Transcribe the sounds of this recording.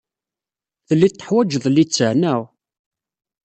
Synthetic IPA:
θəlːit̪ːə̥ħwæd͡ʒðˤlːit͡sːəʕnæw

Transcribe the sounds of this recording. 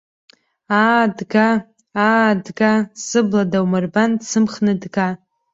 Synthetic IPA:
adɡa | adɡasɨbladawmarbandsɨmχnɨdɡa

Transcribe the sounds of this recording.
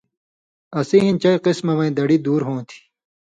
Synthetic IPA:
ɐsiɦĩnt͡ɕɐiqismɐʋɐ̃ĩd̪ɐɽid̪uːɾɦõːt̪ʰi̥

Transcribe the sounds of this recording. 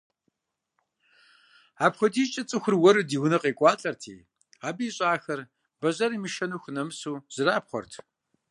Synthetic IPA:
aːpχʷɔdiːt͡ʃʼɐt͡sʼɨxʷʊrwɔɾɨdiːwnɨqeːkʷʼɑːɬʼɐrtʰḭː | aːbiːɕʼaːxɐr | bɐʑɐɾiːmɨʃɐnuxʷnɐmɨsuːz̥ɨraːpχʷɔ̰rtʰ

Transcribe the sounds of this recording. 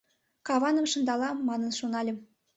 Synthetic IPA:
kɑβɑnəmʃɤ̆nd̪ɑlɑmːɑnənʃonɑlʲə̆m

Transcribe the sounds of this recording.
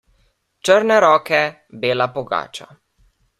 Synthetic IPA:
t͡ʃəɾnɛɾɔːkɛ | beːlapɔɡa̰ːt͡ʃa̰

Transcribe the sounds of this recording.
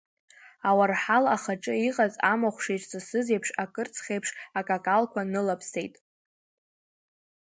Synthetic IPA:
awarħalaχaʈ͡ʂʼɨiqʼazʼamaχʷʂejʈ͡ʂʼsɨsɨzejpʰʂakʼɨrt͡sʰχʲejpʰʂakʼakʼalkʷʰanɨlapʰse̞jtʼ

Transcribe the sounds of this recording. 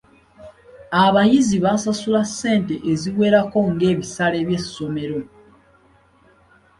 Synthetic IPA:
aβajiziβasasulasːe̞ːnte̞ʔeziβwe̞ːɾako̞ŋɡe̞ːβisale̞βje̞sːo̞me̞ɾo̞

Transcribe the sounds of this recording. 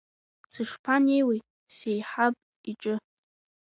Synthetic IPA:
t͡sʰɨʂpʰanejwi | sejħapʼ | iʈ͡ʂʼɨ

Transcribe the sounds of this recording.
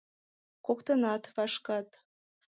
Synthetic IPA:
kokt̪ɤ̆nɑt̪vɑʃkɑt̪

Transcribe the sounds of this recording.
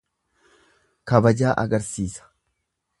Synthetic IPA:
kɐbɐd͡ʒaːʔɐ̰ɡɐɾsiːsɐ̥

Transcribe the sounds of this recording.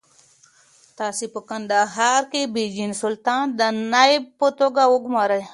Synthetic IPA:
t̪aːsipəkɐnd̪aɦaːɾkebid͡ʑinsult̪ãːnd̪ənaib̚pət̪oɡauɡmaːɾəj

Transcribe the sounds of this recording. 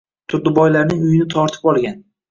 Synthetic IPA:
t̪ʰʊd̪ɪbɒjlaɾnɪŋʊjɪnɪt̪ʰɒɾt̪ʰɪ̥pɒlˠɡʲan

